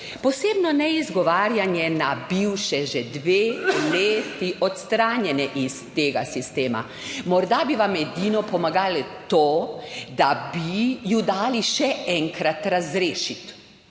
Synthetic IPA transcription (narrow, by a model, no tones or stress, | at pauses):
pɔseːbnɔnɛizɡɔʋaːɾjanjɛnabiwʃɛʒɛd̪ʋeːleːt̪iʔɔt̪st̪ɾaːnjɛnɛʔist̪eːɡa̰sist̪eːma̰ | mɔɾd̪abiʋamɛd̪iːnɔpɔmaɡaːlɛt̪oːd̪abijud̪aːliʃɛɛŋkɾat̪ɾazɾeːʃit̪